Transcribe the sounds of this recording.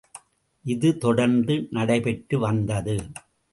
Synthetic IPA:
ʔɪðɯt̪ɔɽɐɾnd̪ɯnɐɽɐɪpɛʈːɯʋɐnd̪ɐðɯ

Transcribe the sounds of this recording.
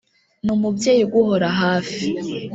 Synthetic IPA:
numubɟe̞ːjiɡuɦo̞ɾaɦaːfi

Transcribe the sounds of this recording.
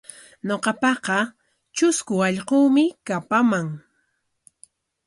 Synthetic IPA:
ɲoqɑpɑqɑ | t͡ʃʊskʊɑʎquːmɪkapamaŋ

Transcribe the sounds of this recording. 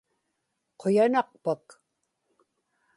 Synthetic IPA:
qʰojanɑq̚pak

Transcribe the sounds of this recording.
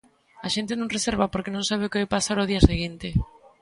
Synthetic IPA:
aʃent̪enõŋreseɾβapoɾkenõŋsaβeokeajpasaɾoðiɐaseɣint̪e

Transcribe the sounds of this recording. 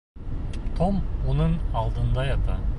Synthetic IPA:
t̪ʰomwonəɴɑlˠd̪ənd̪ɑjɑt̪ɑ̰

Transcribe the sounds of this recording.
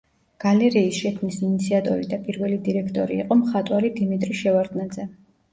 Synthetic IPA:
ɡ̥alɛɾiːsʃɛkʰmnisinit̪sʰiat̪ʼɔɾid̪apʼiɾvɛlid̪iɾɛkʰt̪ʼɔɾiːqʼɔmχat̪ʼwaɾid̪imit̪ʼɾiʃɛvaɾd̪nad̪zɛ

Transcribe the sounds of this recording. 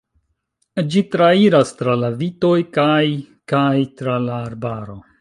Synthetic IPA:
d͡ʒitɾaiɾastɾalavito̞jkaj | kajtɾalaːɾbaɾo̞

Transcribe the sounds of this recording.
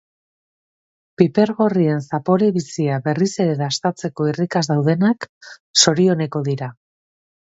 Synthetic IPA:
pipe̞ɾɣo̞rie̞nsapo̞ɾeβisiaβe̞rise̞ɾeðast̪at͡se̞ko̞irikazðawð̞e̞nakso̞ɾio̞ne̞ko̞ðiɾa

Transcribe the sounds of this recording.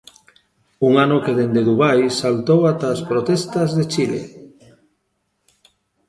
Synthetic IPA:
uŋanʊkeðend̪eðuβajsalt̪owat̪aːspɾot̪ɛst̪ɐzðet͡ʃilḛ

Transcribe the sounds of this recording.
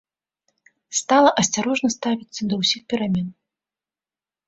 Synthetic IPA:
st̪alˠɐʔɐsʲt͡sʲaɾɔʐnɐst̪avʲit̪sːɐd̪ɐwsʲixpʲɛɾamʲɛn

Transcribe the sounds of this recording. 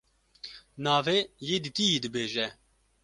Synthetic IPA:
naːveːjeːd̪it̪ijiːd̪ɨbeːʒɛ

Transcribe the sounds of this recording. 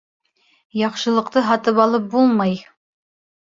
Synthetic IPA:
jɑχʃɤ̆lˠɤ̆qt̪ɤɦɑt̪ɤpɑlˠɤp̚bulˠmɑj

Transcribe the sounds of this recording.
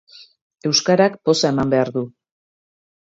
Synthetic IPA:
e̞wskaɾakpo̞sae̞mambe̞aɾðu

